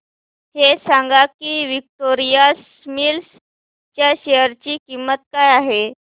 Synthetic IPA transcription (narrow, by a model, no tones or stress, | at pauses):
hesaŋɡakiːʋik̚ʈoɾijas | mils | t͡ɕjaɕejəɾt͡ɕiːkimːət̪̚kajaɦe